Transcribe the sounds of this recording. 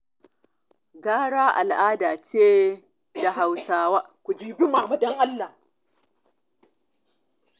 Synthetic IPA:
ɡaː˦ɽaː˦ʔa̰˨lʔaː˦daː˨t͡ʃeː˦ | da˨ɦa˨wsaː˨waː˦kʷu˨d͡ʒiː˨bi˦ma˨ma˨dɔ˦ŋʔa˦lːa˨

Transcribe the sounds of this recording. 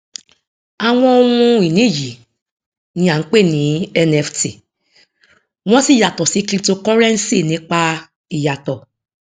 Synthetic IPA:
a˨w̃ɔ̃˧o˧wũ˧i˨nĩ˨˦˨ji˨ | nĩ˧˦a˦˨ŋ̩˨˦k͡pe˦˨nĩ˨˦ɛ˧nɛ˧fti˨ | w̃ɔ̃˦si˦˨ja˨tɔ˨si˨˦kli˦˧to˧kɔ˦ɾɛ˦n̩˦si˦˨nĩ˨˦k͡pa˧ | i˨ja˨tɔ˨

